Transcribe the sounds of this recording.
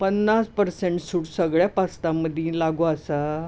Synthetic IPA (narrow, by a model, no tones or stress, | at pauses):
pənːaspəɾsẽɳʈsuɽsəɡɭjapast̪aməd̪ʱjĩlaɡoasa